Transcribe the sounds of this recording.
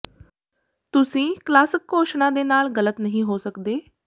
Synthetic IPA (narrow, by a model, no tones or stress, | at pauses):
t̪ʊsĩːklaːsɪkːoːʃnãːd̪eːnaːlɣələt̪nəɦĩːɦoːsəkd̪eː